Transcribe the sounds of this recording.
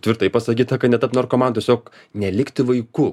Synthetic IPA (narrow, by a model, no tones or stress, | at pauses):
t̪ʲʋʲɪɾt̪ɐɪpɐsɐkʲiːt̪ɐkɐt̪nʲɛt̪ɐpnoːrkomɐntʲɛsʲoːk | nʲɛlʲɪkt̪ʲɪʋɐɪkʊ